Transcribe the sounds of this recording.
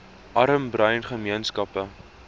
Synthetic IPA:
ʔɐɾəmbrœɥnχəmiənskɐpə

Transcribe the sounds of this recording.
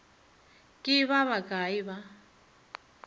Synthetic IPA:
kʼɪβaβaɡaiβa

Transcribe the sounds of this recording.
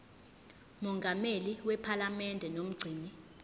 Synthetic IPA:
mɔŋɡʱameliwɛpʰalamɛndʱɛnom̩ɡ͡ǀʱiːni

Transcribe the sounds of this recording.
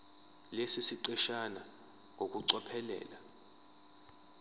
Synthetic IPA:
lesisiǀɛʃana | ŋʱok̬ʼuǀɔpʰɛlɛ̰ːla

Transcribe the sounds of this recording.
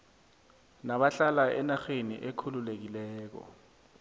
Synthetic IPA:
naɓaɬalaɛnaxenḭʔekʰululek̬ilɛːk̬ɔ̰

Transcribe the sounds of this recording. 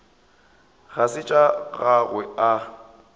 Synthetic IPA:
ɣasɪt͡ʃʼaɣaɣwɛa

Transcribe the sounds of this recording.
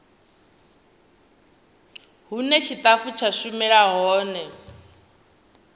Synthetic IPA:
ɦunɛt͡ʃʰit̪ʼafut͡ʃʰaʃumɛɺaɦɔːnɛ

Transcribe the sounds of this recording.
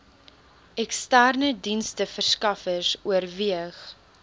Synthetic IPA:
ʔɛkstærnədinstəfərskɐfərsuərviəχ

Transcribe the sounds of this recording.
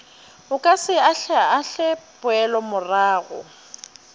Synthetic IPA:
ʊkʼasɪaɬɛaaɬɛpʼʊɛlɔmʊraːɣʊ̰

